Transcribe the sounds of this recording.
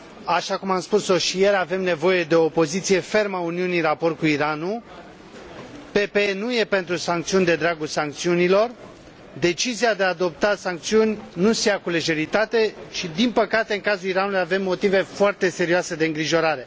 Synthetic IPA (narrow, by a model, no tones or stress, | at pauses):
aʃakumamspusoʃije̞ɾave̞mne̞vo̞je̞d̪e̞o̞ːpo̞zit̪sije̞fe̞rmauniunirapo̞rt̪̚kuiɾanu | pe̞pe̞enuje̞pe̞nt̪ɾusaŋk̚t̪siunʲd̪e̞d̪ɾaɡulsaŋk̚t̪siunilo̞r | d̪e̞t͡ʃiziad̪e̞aːd̪o̞p̚t̪asaŋkt̪siunʲnusejakuleʒe̞ɾit̪at̪e̞ʃid̪inpəkat̪e̞ɨŋkazuliɾanulujave̞mːo̞t̪ive̞foart̪e̞se̞ɾioase̞d̪e̞ɨŋɡɾiʒo̞ɾaɾe̞